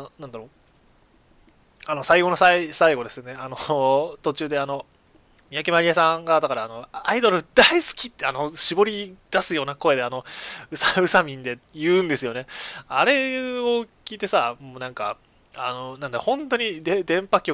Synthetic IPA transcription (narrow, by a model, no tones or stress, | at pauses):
nãnd̪aɾo | ano̞saiɡo̞nosaisaiɡo̞d̪e̞sɨjone̞anot̪o̞t͡ɕɨːd̪e̞ano̞ | mʲijakʲemaɾʲijasãŋɡad̪akaɾaːno̞aid̪o̞ɾɯ̟d̪aisɨ̥kʲit̪ːano̞ɕibo̞ɾʲid̪̥asɨjo̞ːnako̞e̞d̪e̞ano̞ɯ̟saɯ̟samʲĩnd̪e̞jɯ̟̃ːnd̪e̞sɨjo̞ne̞aɾe̞okʲiːt̪e̞samoːnãŋka̰ | a̰no̞nãnd̪aɾohõ̞nt̪o̞ɲ̟id̪ed̪ẽ̞mpakʲːo